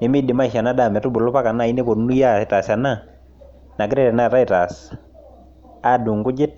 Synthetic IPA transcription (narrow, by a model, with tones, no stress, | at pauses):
nɪ˨mi˦dɪ˨ma˦i˨ʃa˨na˦da˨mɛ˨tʊ˦bʊ˨lɔ˦pa˦ka˨na˦˨i˦ne˦kɔ˨˦nu˦ja˦˨ta˨sa˨na˦ | na˨kɪ˦ɾɛ˦ɾɛ˨na˦˨ta˦i˨ta˨s | a˦du˨ŋɡʊ˦d͡ʒɪ˦t̚